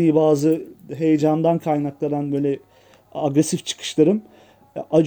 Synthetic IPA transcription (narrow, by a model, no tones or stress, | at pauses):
ijibaːzɯɦe̞jed͡ʒand̪ankʰajnaklˠad̪anbø̞ːlʲɛ | aɡɾesift͡ʃʰɯ̥kʰɯ̥ʃlˠaɾɯm | ʔad͡ʒ